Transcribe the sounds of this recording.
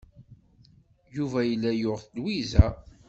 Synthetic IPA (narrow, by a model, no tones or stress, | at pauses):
juvæjəlːæjoʁθlwizæ